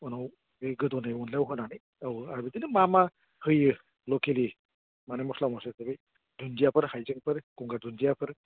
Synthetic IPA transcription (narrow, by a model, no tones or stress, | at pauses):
ɔnaw | bejɡɯdɔnajɔnlawɦɯnanɯj | awaɾbidinɯmama | hɯjɯ | lɔkeli | manemɔslamɔsesebej | dunzijapʰɯɾhajzɯŋpʰɯɾkɔŋɡadunzijapʰɯɾ